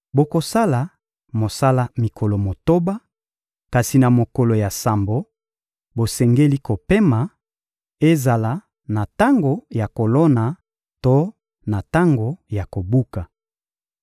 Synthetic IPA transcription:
bo˨ko˨sa˦la˨ | mo˨sa˦la˦mi˨kʰo˨lo˨mo˨to˦ba˦ | ka˨si˨na˨mo˨ko˨lo˨ja˨sa˨mbo˨ | bo˨sɛ˨ŋɡe˦li˦ko˨pe˦ma˨ | e˦za˨la˦ | na˨ta˦ŋɡo˨ja˨ko˨lɔ˦na˨ | to˦ | na˨ta˦ŋɡo˨ja˨ko˨bu˦ka˨

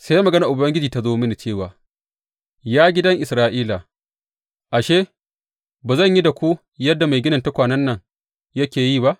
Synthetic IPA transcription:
se˦ja˦mɐ˨ɡɐ˦na˨ʔʊ˨bɐ˦ŋɡʲɪ˦d͡ʒiː˨ta˦zoː˦mɪ˦ni˨t͡ʃeː˦˨waː˨ | jaː˦ɡʲɪ˦dɐ˦ŋʔɪ˨sɾaː˦ʔiː˦la˨ | ʔa˨ʃeː˦ | baː˨zɐ˦˨ɲji˦da˨kʷu˦ | jɐ˦dːa˨ma˨jɡʲɪ˦nɐ˨nta˦kʷaː˨nɐ˦nːɐ˨ŋ | jɐ˦kʲeː˨jiː˦˨ba˦ʔ

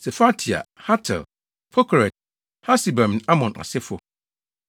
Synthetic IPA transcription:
sɛ˨fa˦tʰi˨a̰˨ha˦tʰɛ̰˨l | pʰɔ˦kʰɾɛ˨t̚ | ha˦si˨bã˨m˨a˦mɔ̃˨nʔa̰˨sɪ˦fʊ˨

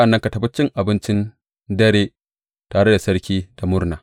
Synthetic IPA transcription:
ʔa˨nːɐ˦ŋka˨tɐ˨bʊ˦t͡ʃːɪ˦ŋʔa˨bɪ˦nt͡ʃɪ˦n | dɐ˦ɽeː˦ | taː˨ɽe˦da˨sɐ˦ɾkʲiː˦d̥a˨mʊ˦ɾnaː˨

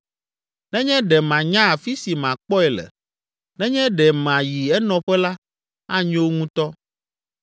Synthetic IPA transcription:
nɛ̃˦ɲɛ̃˦ɖɛ˨mã˨ɲã˦a˨fi˦si˨mã˨k͡pɔ˦ɛ˨lɛ̰˨ | nɛ̃˦ɲɛ̃˦ɖɛ˨mã˨ji˨ɛ˦nɔ̃˨ɸɛ˦la˦ | a˦ɲõ˦wo˦ŋũ˦t̪ɔ˦

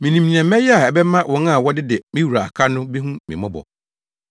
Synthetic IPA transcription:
mĩ˨nĩ˨mnĩ˨ɛ̃˨˦mɛ̃˦jɛ˦a˨ɛ˨bɛ˦mã˦wʔɔ̃˨˦n˦a˦˨wɔ˦dɪ˦dɛ˨mĩ˦wu˨ɾa˨a˨kʰa˦nʊ̃˦be˦ɦũ˦mɪ̰̃˨mɔ̃˦bɔ̰˨

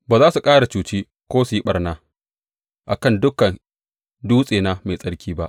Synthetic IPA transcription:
baː˨zaː˦su˨kʼaː˦ɽa˨t͡ʃuː˨t͡ʃiː˦ | kʷoː˦su˨ji˦ɓɐ˨rnaː˦ | ʔa̰˨kɐ˦˨ndʊ˦kɐ˨n | duː˦sʼeː˨na˦me˨sʼɐ˦ɽkʲʰiː˦ba˦ʔ

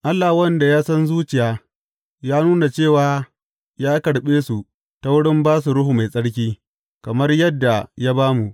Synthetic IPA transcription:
ʔa˦lːa˨hwɐ˦nda˨jaː˦sɐ˦nzuː˦t͡ʃɪ˨jaː˦ | jaː˦nuː˦na˨t͡ʃeː˦˨waː˦ | jaː˦kɐ˨ɽɓeː˦su˨ | ta˨wʊ˦ɽɪ˦mbaː˦s̬u˨ɽʊ˦ɦu˨ma˨jsʼɐ˦ɽk̬ʲiː˦ | kɐ˨mɐ˦rjɐ˦dːa˨ja˦baː˦mu˨ʔ

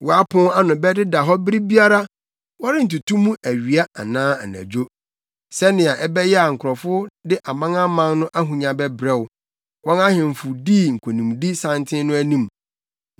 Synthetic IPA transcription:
wɔ˨a˦pʰʊ̃˦a˦nʊ̃˨bɛ˦dɪ˦da˨ɦɔ˦bɪ˦ɾi˦bi˦a˦ɾa˦ | wɔ˦ɾɪ˦n̩˨tu˨tʰũ˦mũ˦ʔæ˨ɥi˨a˦a̰˨nãː˦a˨næ̰̃˨d͡ʑᶣo˦ | sɛ˦nɪ̃˨a˨ʔɛ˦bɛ˦jɛ˦a˨ŋ̩˨kʰʊ˨ɾɔ˨fʊ˦dɪ˦ʔa˨mã˦ŋa˦mã˦nnʊ̃˦ʔa˦ɦũ˨ɲã˨bɛ˦bɾɛ˦˨wʊ˨ | wɔ̃˦na˦hɪ̃˨m̩˨fʊ˨di˦˨ŋ̩˨kʷʰo˨nũ˨mdi˦sã˦ntʰɪ̃˦nʊ̃˦æ˦nĩ˦m

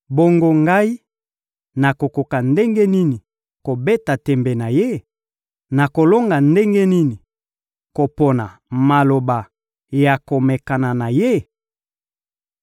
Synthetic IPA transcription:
bo˦ŋɡo˦ŋɡa˦i˦ | na˨ko˨ko˨ka˨nde˦ŋɡe˦ni˦ni˨ | ko˨be˦ta˨tɛ˨mbe˨na˨je˦ | na˨ko˨lo˦ŋɡa˨nde˦ŋɡe˦ni˦ni˨ | ko˨po˨na˨ma˨lo˨ba˨ | ja˨ko˨me˨ka˨na˨na˨je˦

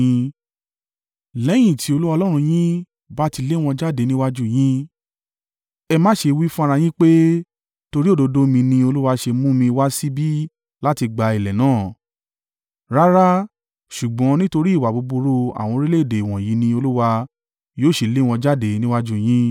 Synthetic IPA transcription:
lɛ˨˦j̃ĩ˦˨tʰi˨˦o˧lu˦wa˧lɔ˦ɾ̃ũ˧j̃ĩ˦ | ba˦ti˧le˦˨w̃ɔ̃˧d͡ʒa˦de˧nĩ˦wa˦d͡ʒu˦j̃ĩ˦ | ɛ˧mã˦ʃe˧wi˦fũ˦a˧ɾa˧j̃ĩ˦k͡pe˦ | to˧ɾi˦o˦˨do˨˧do˦mĩ˧nĩ˧o˧lu˦wa˧ʃe˧mũ˦mĩ˧wa˦si˦bi˦ | la˦ti˧ɡ͡ba˧i˨lɛ˨nãː˦˨ | ɾa˦ɾa˦ | ʃu˨ɡ͡bɔ̃˨˦nĩ˦to˧ɾi˦˨wa˨bo˧bu˧ɾo˧a̰˨w̃ɔ̃˧ɾi˦le˦˨de˨w̃ɔ̃˨ji˨˦nĩ˧o˧lu˦wa˧ | joː˦˨ʃe˨le˦˨w̃ɔ̃˧d͡ʒa˦de˧nĩ˦wa˦d͡ʒu˦˨j̃ĩ˦

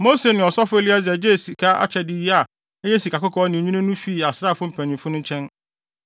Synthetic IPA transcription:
mo˦se˨nɪ̃˨ɔ˨sɔ˦fʊ˦e˦li˦a˦zɛ˨d͡ʑe˦˨si˨kʰa˦ʔa̰˦t͡ɕʰɛ˨dɪ˦ji˦a˨ | ɛ˦jɛ˦si˨kʰa˨kʊ˦kʰɔ˨˦nɪ̃˨ɲĩ˦nã˦nʊ̃˦fi˦˨a˨sɾa˦˨fʊ˦m̩˨pʰæ̃˨nĩ˨mfʊ˦nʊ̃˦ɲ˦t͡ɕʰɛ̃˦n

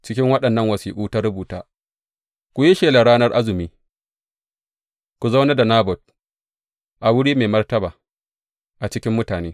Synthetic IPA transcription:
t͡ʃɪ˦kʲɪ˦ŋwɐ˦ɗɐ˨nːɐ˦ŋwɐ˨siː˨kuː˦ta˦ɾʊ˦buː˨ta̰ː˦ | kʷu˨ji˦ʃeː˨la˨ɽaː˦nɐ˦rʔa˦zɪ˨miː˦ | kʷu˨za˦wna˦da˨naː˦bɔ˨t̚ | ʔa˨wʊ˦ɽiː˦meː˨mɐ˦rtɐ˦baː˨ | ʔa˨t͡ʃɪ˦kʲɪ˦mːʊ˦taː˨neː˦

